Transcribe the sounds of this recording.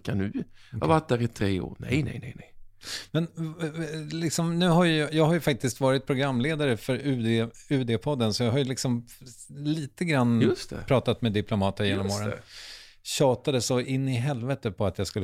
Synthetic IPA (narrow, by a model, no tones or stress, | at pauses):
kʰanʉ̟ː | a̰vat̪̚d̪æɾɪt̪ʰɾeːo̰ːɾnɛ̰jnɛ̰jnɛ̰jnɛjmɛn | lɪksɔmnʉ̟ːɦaɾjɵjɑːɡɦajɵfak̚t̪ɪskt̪vɑːɾɪt̪̚pʰɾʊɡɾamːleːd̪aɾəfœɾʉ̟ːd̪eʉ̟ːd̪eːpʰɔd̪ːənsɔjɑɦaɾjɵlɪksɔm | liːt̪əɡɾanːjɵst̪ɛ̰pʰɾɑːt̪at̪meːd̪ɪplʊmɑːt̪əjeːnɔmːoːɾə̰ | ɕɑːt̪ad̪əsɔɪnːɪɦɛlvɛt̪ːəpʰɔat̪jɑːskɵlː